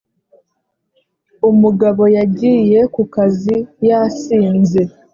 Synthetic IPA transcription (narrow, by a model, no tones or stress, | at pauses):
umuɡaβo̞jaɟiːje̞kukazijasiːnze̞